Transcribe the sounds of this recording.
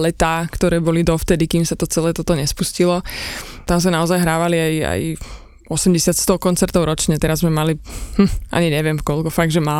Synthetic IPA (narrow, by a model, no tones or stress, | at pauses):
lɛt̪aːkt̪ɔɾɛːbɔlid̪ɔft̪ɛd̪ikiːmsat̪ɔt͡sɛlɛːt̪ɔt̪ɔɲɛspuscilɔt̪ams̬anaɔzajɦɾaːʋaliaja̰j | ɔsɛmɟɛsɪat̪st̪ɔkɔnt͡sɛɾt̪ɔʊɾɔt͡ʃɲɛt̪ɛɾazzmɛmalihm̩ʔa̰ɲiɲɛʋɪɛmkɔlkɔfaɡʒɛmaː